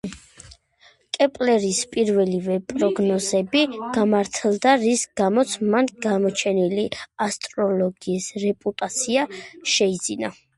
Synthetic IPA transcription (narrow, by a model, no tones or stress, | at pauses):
kʼɛpʼlɛɾispʼiɾvɛlivɛpʼɾɔɡnɔzɛbiɡ̥amaɾt̪ʰɛlˠd̪aɾisɡ̥amɔt̪sʰmanɡamɔt͡ʃʰɛniliast̪ʼɾɔlˠɔɡiːsɾɛpʼut̪ʼat̪sʰiaʃɛid̪zina